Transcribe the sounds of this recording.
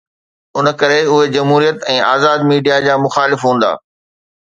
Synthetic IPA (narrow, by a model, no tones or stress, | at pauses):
ʊnə̆kɐɾeʊɦed͡ʑɐmɦuːɾijət̪ɛ̃ːaːzaːd̪miːɖijad͡ʑaːmʊxaːlɪfɦũːn̆d̪a̰ː